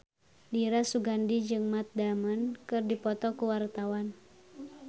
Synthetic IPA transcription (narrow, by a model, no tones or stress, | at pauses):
diɾasuɡandid͡ʒɨŋmat̪̚damənkɨrdipɔt̪ɔkuwart̪awan